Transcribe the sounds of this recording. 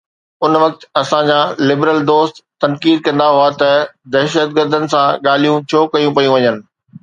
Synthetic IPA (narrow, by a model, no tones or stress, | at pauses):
ʊnʋɐk̚t̪ɐsãd͡ʑaːlɪbɾəld̪oːst̪t̪ːɐnkiːd̪̚kɐ̃nd̪aɦʊat̪ɐd̪ɐːʃət̪ɡəɾd̪ʱənɪ̆sãɠaːl̤ijũt͡ɕʰoːkɐjũpɐijũʋɐɲənɪ̆